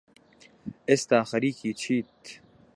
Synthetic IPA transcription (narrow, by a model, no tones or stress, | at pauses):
est̪aːxɐɾiːkiːt͡ɕʰiːt̪